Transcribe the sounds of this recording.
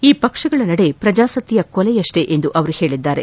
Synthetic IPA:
iːpɐkʂɐɡɐɭɐnɐɽe̞pɾɐd͡ʒaːsɐt̪ːijɐkɔlɛjɐʂʈe̞ʔend̪uʔɐʋɐɾuhe̞ːɭid̪ːaːɾe̞

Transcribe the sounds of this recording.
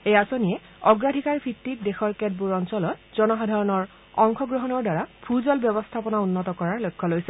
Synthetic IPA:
ejasonijɛ | ɔɡɹadʱikaɹpʰitːik̚dexɔɹkɛt̚buɹɔnsɔlɔtz̥ɔnɔxadʱaɹɔnɔɹ | ɔŋxɔɡɹɔɦɔnɔɹdwaɹapʰuzɔlbjɔbɔstʰapɔnaunːɔtɔkɔɹaɹlojkʰːɔlojsɛ

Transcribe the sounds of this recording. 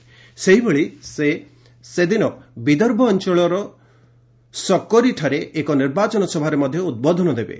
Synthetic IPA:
seɦibeɭise | sed̪inɔbid̪ɔɾbʱɔːnt͡ʃɔɭɔɾɔ | sɔkːɔɾiʈʰaɾeʔːkɔniɾbat͡ʃɔnɔsɔbʱaɾemɔd̪ʱjɔud̪̚bɔd̪ʱɔnɔd̪ebḛ

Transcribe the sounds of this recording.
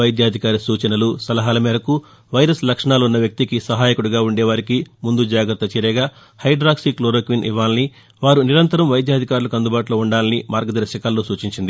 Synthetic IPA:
ɐjd̪ʱjaːd̪ʱikaːɾisuːt͡ʃɐnɐlusɐlɐɦaːlɐmɛːɾɐku | ʋɐjɾɐslɐkʂɐɳaːlunːɐʋjɐk̚t̪ikisɐɦaːjikuɽuɡaːuɳɖɛːʋaːɾikimund̪ud͡ʒaːɡɾɐt̪ːɐt͡ʃɛːɾɛːɡaː | hɐjɖɾaːksiːkloːɾoːkʋinʔḭʋːaːlɐni | ʋaːɾuniɾɐnt̪ɐɾɐmʋɐjd̪jaːd̪ʱikaːɾulɐkɐnd̪ubaːʈuloːuɳɖaːlɐnimaːɾɡɐd̪ɐɾɐʃɐkaːlːoːsuːt͡ʃiɲt͡ʃind̪i

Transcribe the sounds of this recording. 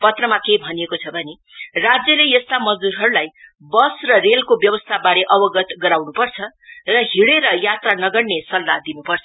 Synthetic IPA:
pʌt̪rʌmakejbʱʌnijekot͡sʰʌbʱʌne | rad͡zjʌlejʌst̪amʌd͡zd̪uɾɦʌɾulaj | bʌsrʌrelkobjʌbʌst̪ʰabaɾeʔʌbʌɡʌt̪ɡʌɾawnupʌrt͡sʰʌ | rʌɦiɽeɾʌjat̪ranʌɡʌɽnesʌlːad̪inupʌrt͡sʰʌ̥

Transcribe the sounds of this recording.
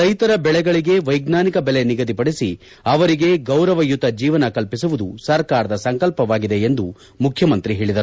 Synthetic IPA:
ɐjt̪ɐɾɐbɛɭɛɡɐɭiɡe̞ʋɐjɡnaːnikɐbɛleniɡɐd̪ipɐɽesi | ɐʋɐɾiɡe̞ɡɐwɾɐʋɐjut̪ːɐd͡ʒiːʋɐnɐkɐlpis̬uʋud̪usɐɾkaːɾɐd̪ɐsɐŋkɐlpɐʋaːɡid̪e̞end̪u | mukʰjɐmɐnt̪ɾiɦe̞ːɭid̪ɐɾuu

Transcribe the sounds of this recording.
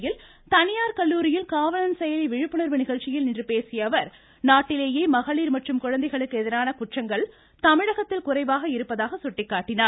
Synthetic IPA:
jɪl | t̪ɐnɪjaːɾkɐɭːuːɾɪjɪlkaːʋɐnɐnsɛjɐliʋɪɻɯpːɯnɐɾʋɯnɪɣɐɭt͡ʃːɪjɪlɪndrɯpeːsɪjɐʋɐɾ | naːʈːɪleːjeːmɐɣɐɭiːɾmɐʈrɯmkʊɻɐnd̪ɐɪɣɐɭɯkːɯɛðɪɾaːnɐkʊʈrɐŋɡɐɭ | t̪ɐmɪɻɐɣɐt̪ːɪlkʊrɐɪʋaːɣɐɪɾɯpːɐðaːɣɐsʊʈːɪkːaːʈːɪnaː

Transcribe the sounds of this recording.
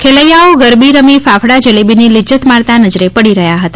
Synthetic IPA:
kʰeləjaoɡəɾbiɾəmifafɽad͡ʒəlebinilɪd͡ʒət̪maɭt̪anəd͡ʒɾepəɽiɾəɦjaɦət̪a

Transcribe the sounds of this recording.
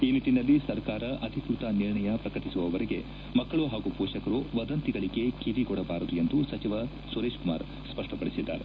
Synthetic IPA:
iːniʈːinɐlːisɐɾkaːɾɐʔɐd̪ʱikɾut̪ɐniɾɳɐjɐpɾɐkɐʈisuʋɐʋɐɾeɡe̞ | mɐkːɐɭuɦaːɡupɔːʃɐkɐɾuʋɐd̪ɐnt̪iɡɐɭiɡe̞kiɾiɡɔɽɐbaːɾud̪uje̞nd̪usɐt͡ʃiʋɐ | suɾeːʃkuma̰ːɾ | spɐʂʈɐpɐɽisid̪ːa̰ːɾe

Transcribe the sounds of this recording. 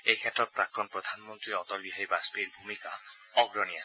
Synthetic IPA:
ejkʰet̪ɾɔt̪̚pɾakɾɔnpɾɔd̪ʱanmɔnt̪ɾiɔt̪ɔɾbiɦajbaspeɾbʱumika | ɔɡɾɔnias

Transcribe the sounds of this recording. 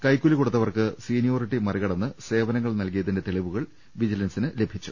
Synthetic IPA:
kɐjkːulikuɽut̪ːɐʋɐrkɨsiːnijoːriʈːimɐriɣɐɽɐnːɨse̞ːʋɐnɐŋːɐɭnɐlkijɐðinde̞t̪eɭiʋuɣɐɭ | ʋid͡ʑilɐnsinɨle̞bʱit͡ɕːu̥

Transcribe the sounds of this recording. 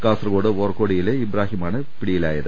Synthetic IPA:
kaːsrɐɣoːɽɨʋoːrkoːɽijileibɾaːɦimaːɳɨ | piɽijilaːjɐðɨ

